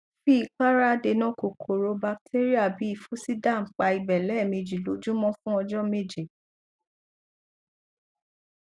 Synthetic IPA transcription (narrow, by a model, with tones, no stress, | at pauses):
fi˦i˧k͡pa˦ɾa˦de˧nã˦ko˨kʰo˨ɾo˧ba˧k̚tʰe˦ɾi˦a˦˨bi˨˦i˧fu˦si˦da˦˨ŋ͡m̩˨k͡pa˧i˧bɛ˨lɛ˨˦˨mĩ˧d͡ʒi˨lo˨˦d͡ʒu˦mɔ̃˦fũ˦ɔ˧d͡ʒɔ˦me˦˨d͡ʒe˨